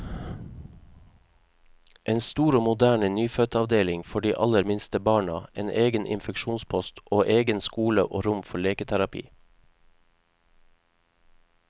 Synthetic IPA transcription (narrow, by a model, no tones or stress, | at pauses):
ʔeːnst̪uːɾoːmʊd̪æːɳənyːfœt̪ɑʋd̪eːlɪŋfɔɖiːʔɑləɾmɪnst̪əbɑːɳɑʔḛːnʔeːɡənʔɪ̰nfɛkʃuːnspʰɔst̪ʔoːʔeːɡənskuːlə̰ʔoːɾʊmfɔɭeːkət̪ʰæɾɑpʰḭː